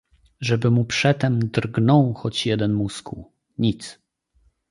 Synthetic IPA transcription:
ʐɛbɘmupʂɛt̪ɛmd̪rɡnɔ̃wxɔt͡ɕjɛd̪ɛnmuskṵ | ɲit̪s

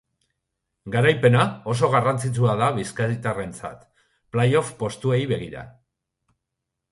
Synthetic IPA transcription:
ɡaɾajpe̞nao̞so̞ɣ̞arant͡sit͡suaðaβiskait̪are̞nt͡sa̰t̪ | plajo̞fpo̞st̪ue̞jβe̞ɣ̞iɾa̰

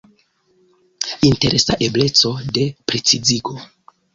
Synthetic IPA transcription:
inte̞ɾʔesaʔe̞ble̞t͡so̞de̞pɾe̞t͡siziɡo̞

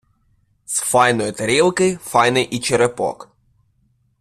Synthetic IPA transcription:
sfɑjnɔjʊt̪ɐɾʲilˠkɪfɑjnɪjʔit͡ʃeɾepɔ̰k

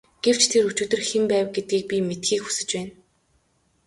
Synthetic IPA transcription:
ɡ̥ew̥t͡ɕt̪ʰeɾut͡ɕuːt̪ɵ̆rxempæːwɡet̪̚ɡiːk̚pʲimet̪xiːkxu̥sɘ̆t͡ɕpæːn

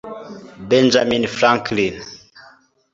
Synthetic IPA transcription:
bɛnd͡ʒaminfɾãŋklin

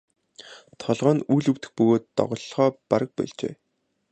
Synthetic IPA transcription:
t̪ʰɔɮʁœːnujɮɵ̆w̥t̪ɘ̥̆xpɵɣoːt̪ːɔ̰ʁɞ̆ɮχɔːpaɾə̆k̚pæ̰ɮt͡ɕḛː

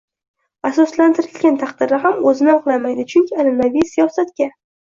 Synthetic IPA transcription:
asɒslant̪ʰɪɾɪlɡʲant̪ʰaqd̪ɪɾɪɦamɵzɪnɪɒqlˠamajd̪ɪt͡ʃʰʊŋkʲɪalɪnavijsijɒsat̪ɡʲa

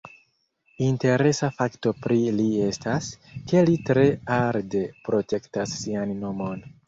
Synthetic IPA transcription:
inte̞ɾe̞safakto̞pɾilie̞stas | ke̞litɾe̞aɾde̞pɾo̞te̞ktasːianːo̞mo̞n

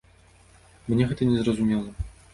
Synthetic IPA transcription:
mnʲɛɣɛt̪ɐnʲɛzrɐzumʲɛlˠɐ

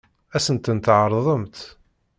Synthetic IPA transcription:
æsənt̪ənt̪ʕəɾˤðˤəmt̪

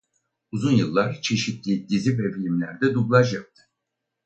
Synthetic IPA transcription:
uzunjɯlˠːaɾt͡ʃʰe̞ʃit̪lʲid̪izibevlʲimlʲæ̰ɾd̪ɛd̪ublˠaʃ̬jap̚t̪ʰɯ̥

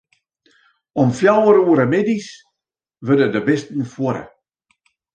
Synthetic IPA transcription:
ɔmfjawəɾuəɾəmɪdis | ʋødədəbɪstn̩fwoɾə̰

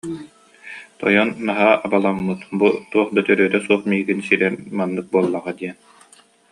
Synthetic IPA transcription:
t̪ɔ̰jɔnːaɦaːʔabalˠaŋːɯt̪but̪uɔχd̪at̪œɾyːt̪ɛsuɔχmiːɡinsiɾɛɾmanːɯk̚buɔlˠːaʁad̪iɛn

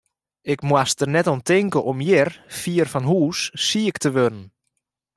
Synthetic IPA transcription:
ɪkmwastərnɛtɔntɪŋkəʔɔmjɪrfiərfɔnɦuːsːiəktəʋønən

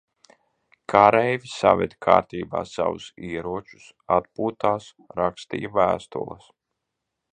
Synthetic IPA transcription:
kʰaɾɛjvʲisavɛ̰d̪kʰa̰ːɾt̪iːba̰ːsa̰vṵsiɛɾuɔt͡ʃu̥s | at̪̚puːt̪aːs | ɾakst̪ḭːvæːst̪ṵlˠɐ̰s

